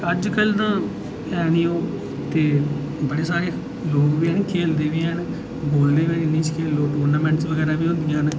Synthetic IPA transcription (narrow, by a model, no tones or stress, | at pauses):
əd͡ʒkəlt̪ãː | ɛːniːoː | t̪eː | bəɽeːsaːɾeː | loːkʋiːɦənkʰeːld̪eːʋiːən | boːlneːʋeːɪnĩːt͡ʃkʰeːlːoːʈoːɾnaːmɛ̃ːɳʈsʋəɡɛːɾaːbiːɦõnd̪ijãːɦn